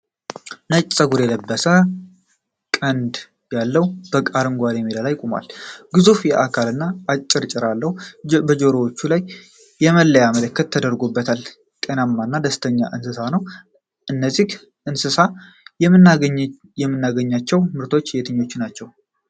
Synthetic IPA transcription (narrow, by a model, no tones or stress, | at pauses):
nət͡ʃʼsʼəɡuɾjɛləbːəsə | kʼənd̪ | jalːəwb̥əkʼaɾɨŋɡʷaɾjɛmːilalajkʼoma̰lɡɨzufjɛʔakʰalɨnːaːt͡ʃʼːɪɾt͡ʃʼɪɾalːəhubəd͡ʒo̞ɾowot͡ʃːulaj | jɛməlːəjamələkːət̪ʰːəd̪əɾɡoubːət̪ʰal | t̪ʼenamːanːad̪əst̪ʰəɲːa̰ʔɨnsɨsanəw | ʔɨnːəzːih | ʔɨnsɨsa | jm | jɛmːɨnːaɡəɲːat͡ʃːɛwmɨɾt̪ʰo̞t͡ʃːjɛt̪ʰəɲːo̞t͡ʃːnat͡ʃːɛw